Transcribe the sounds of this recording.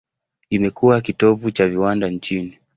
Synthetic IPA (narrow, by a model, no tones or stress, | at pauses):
imɛkuwak̬itɔvut͡ʃaviwandaɲt͡ʃini